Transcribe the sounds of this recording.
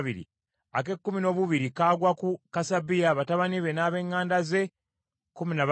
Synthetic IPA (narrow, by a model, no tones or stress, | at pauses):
βiɾḭ | ake̞kːumino̞ːβuβiɾikaːɡwakukasabijaβataβaniβe̞naβe̞ːŋːaːndaze̞ | kuminaβ